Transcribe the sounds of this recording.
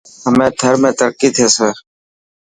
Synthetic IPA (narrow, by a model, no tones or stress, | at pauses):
ɦəmẽːt̪ʰəɾmẽːt̪əɾkiːt̪ʰeːseː